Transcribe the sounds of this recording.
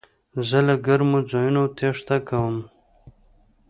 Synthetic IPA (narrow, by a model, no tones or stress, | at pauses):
zəlaɡaɾmod͡zɑjunot̪ʰeʂt̪akawəm